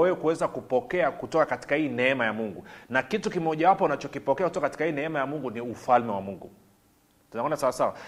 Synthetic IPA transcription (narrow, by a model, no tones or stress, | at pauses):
wɛwɛkuwɛzakupɔkɛakutɔkakati̥kahiːnɛɛmajamuŋɡunakitukimɔʄawapɔunat͡ʃɔkipɔkɛakutɔkakati̥kahiːnɛɛmajamuŋɡuniufalmɛwamuŋɡṵ | tunaɔnasawasawa